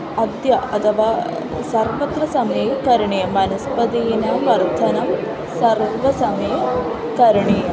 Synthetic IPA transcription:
ɐd̪jɐɐt̪ʰɐʋaː | sɐɾʋɐt̪ɾɐsɐmekɐɾɳijɐmɐnɐspɐd̪ijinɐʋɐɾt̪ʰɐnɐm | sɐɾʋɐsɐme | kɐɾɳi

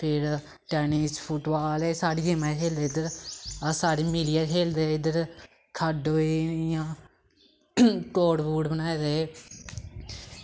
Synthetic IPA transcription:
pʰɪɾ | ʈɛːnispʰʊʈbaːleːsaːɽiːd͡ʒɪmaːkʰeːld̪eːɪd̪əɾəsaːɽiːmilijakʰeːld̪eːɪd̪əɾ | kʰəɖoːejãː | koːɽbuːɖbənaːed̪eː

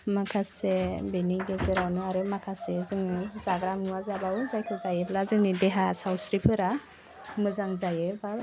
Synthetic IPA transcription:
makʰasebeniɡezɯɾawnɯaɾɯmakʰasezɯŋɯzaɡɾamnuwazabawzajkʰɯzajɯblazɯŋnideɦasawsɾipʰɯɾa | mɯzaŋzajɯba

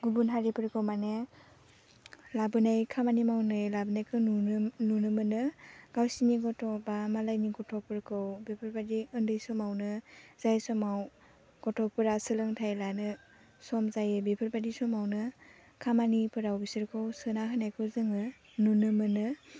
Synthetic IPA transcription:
ɡubunɦaɾipʰɯɾkʰɯwmane | labɯnajkʰamanimawnɯjlabɯnajkʰɯnununɯmɯnɯɡ̥awsiniɡɔtʰɔbamalajniɡɔtʰɔk̚pʰɯɾkʰɯwbepʰɯɾbadiɯndɯjsɔmawnɯz̥ajsɔmaw | ɡ̥ɔtʰɔk̚pɯɾasɯlɯŋtʰajlanɯ | sɔmzajɯbepʰɯɾbadisɔmawnɯ | kʰamanipʰɯɾawbisɯɾkʰɯwsɯnaɦɯnajkʰɯwzɯŋɯ | nunɯmɯnɯ

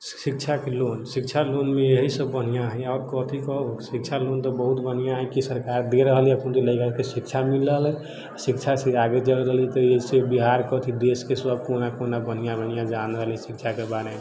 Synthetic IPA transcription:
sik̚t͡ʃʰakelonsik̚t͡ʃʰalonmeeɦisəbːən̤ijaɦəjaɾkɔt̪ʰikɔɦosik̚t͡ʃʰalont̪ɔbəɦut̪bən̤ijaɦəjkisəɾkaɾd̪eɾəɦəliəkʰunt̪eləɪkəkesik̚t͡ʃʰamiləɦlɛ | asikt͡ʃʰasiaɡed͡ʒəlɾəɦəlit̪ɔeɦisebiɦaɾkɔt̪ʰid̪eskeswəb̚konakonabən̤ijabənjad͡ʒanəɦəlɛsik̚t͡ʃʰakebaɾeme

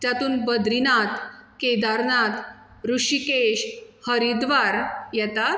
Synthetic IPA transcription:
t̪jat̪uːnbəd̪ɾinat̪ked̪aɾnat̪ | ɾuʂikeɕhəɾid̪ʋaɾjɛt̪a

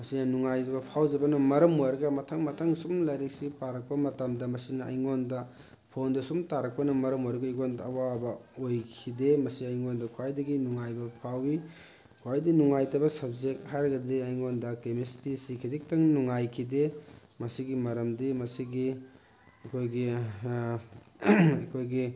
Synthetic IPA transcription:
mɐsinɐnuŋajbɐpʰawzɐbɐnɐmɐɾɐmojɾɐɡɐmɐtʰaŋmɐtʰaŋsumlajɾek̚sipaɾɐk̚pɐmɐtamdɐmɐsinɐʔɐ̰jŋondɐ | pʰondɐsumtaɾɐk̚pɐnɐmɐɾɐmojɾɐɡɐiɡondɐwabɐojkʰidemɐsiɐjŋondɐkʰwajdɐɡinuŋajbɐpʰawi | kʰwajdinuŋajtɐbɐsɐb̚zek̚hajɾɐɡɐdiɐjŋondɐkemestisikʰizik̚tɐŋnuŋajkʰide | mɐsiɡimɐɾɐmdimɐsiɡi | ɐkʰojɡi | ɐkʰojɡi

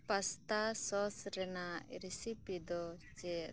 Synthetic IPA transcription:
past̪asɔsɾɛnaʔɾisipid̪ɔt͡ʃɛ

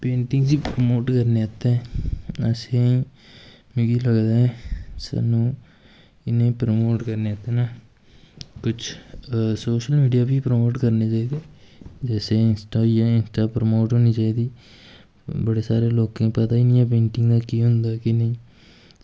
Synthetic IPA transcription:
pẽːɳʈɪŋɡziːpɾəmoːʈkəɾneːat̪ẽːəsẽː | mɪ̃ɡiːləɡd̪aːɛsa̰ːnũː | ɪnẽːpɾəmoːʈkəɾneːat̪eːnaː | kʊt͡ʃʰsoːʃəlmiːɖijaːbiːpɾəmoːʈkəɾneːt͡ʃaːiːd̪eːd͡ʒɛːseːɪnsʈaːjaːɪnsʈaːpɾəmoːʈɦoːniːt͡ʃaːiːd̪iː | bəɽeːsaːɾeːloːkẽːpət̪aːɪnɪjãːp̬ẽːɳʈɪŋɡd̪aːkiːɦʊnd̪aːkɪnəĩː

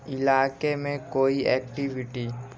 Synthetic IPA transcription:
ɪlaːkemẽkoːiɛːk̚ʈiʋɪʈi

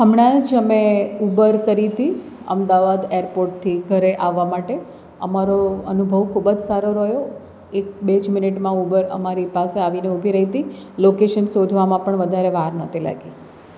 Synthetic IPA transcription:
ɦəmɽ̃ãd͡ʒəmeubəɾkəɾit̪i | ə̰md̪aʋad̪eɾpoɾʈ̚t̪ʰiɡʱəɾeʔaʋːamaʈe | ə̰maɾoənubʱəʋkʰubəd͡ʒsaɾoɾəjo | ek̚bed͡ʒmɪnɪʈmãubəɾə̰maɾipaseaʋineubʱiɾəɦit̪ilokeʃənsod̪ʱʋamãpəɳʋəd̪ʱaɾeʋaɾnət̪ʰila̰ɡi

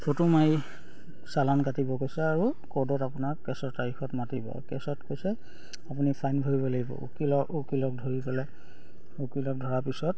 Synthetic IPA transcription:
fʰotumai | salankatibɔkojsɛaɹukɔdɔtapunaɹkɛsɔtaɹixɔtmatibɔ̰kɛsɔtkojsɛ | apunipʰajnbʱoɹibɔlaɡibɔ̰ṵkilɔukilɔk̚dʱoɹipɛlɛ | ukilɔk̚dʱɔɹapisɔt̚

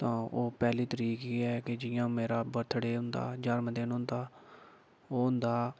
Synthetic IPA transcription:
t̪ãːoːpɛːliːt̪əɾiːkiːɛːkɪd͡ʒɪjãːmeːɾaːbəɾt̪ʰɽeːɦʊnd̪a̰ːd͡ʒəɾmd̪eːnɦʊ̃nd̪aː | oːɦʊnd̪aː

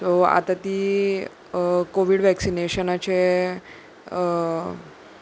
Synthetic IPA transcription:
soa̰t̪at̪iː | koʋiɽʋɛksineɕənat͡ɕe

